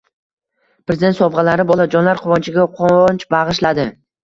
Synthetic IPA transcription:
pɾezɪd̪et̪sɒbʁɑlaɾɪbɒlˠad͡ʒɒnlaɾqʰʊwɒnt͡ʃʰɪɡʲaqʰont͡ʃbɑʁɨʃlad̪ɪ

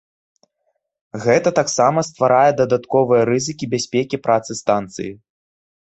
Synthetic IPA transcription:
ɣɛt̪ɐt̪aksamɐst̪vaɾajɛd̪ɐd̪at̪kɔvɨjɐɾɨzɨkʲibʲasʲpʲekʲipɾʔat̪sɨst̪ant̪sɨ̰ji

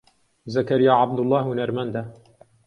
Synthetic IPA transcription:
zɐkɐɾijaːʕab̚d̪ʊlˠˤːɑːhhʊnɐɾmɐnd̪a

